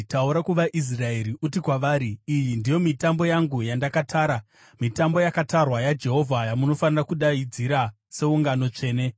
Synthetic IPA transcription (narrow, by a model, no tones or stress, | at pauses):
tauɾakuʋaʔis̬rae̞ɾiʔutikwaʋaːɾiːjindijo̞mitambo̞jaŋɡujandakatʰaːɾa | mitambo̞jakatarwajad͡ʒe̞ɦo̞vʱajamuno̞fanirakuɗaid͡ziɾa | se̞uŋɡano̞t͡ʂe̞ːne̞